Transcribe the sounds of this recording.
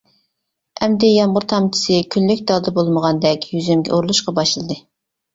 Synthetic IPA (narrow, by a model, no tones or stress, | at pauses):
ɛmd̪ɛjɑmʁʊɾt̪ʰɑmt͡ʃʰɪ̥sɨkʲʰynlykʲd̪ɑd̪ɑbolˠməʁɑnd̪ɛkʲjyzymɡʲɛ̰ʔoɾlˠuʃqɑbɑʃlˠɨd̪ɨ